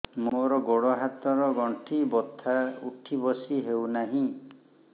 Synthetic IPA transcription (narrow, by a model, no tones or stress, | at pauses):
moɾɔɡoɽɔɦat̪ɔɾɔɡɔɳʈʰibɔt̪ʰaṵʈʰibɔsiɦewnaɦĩ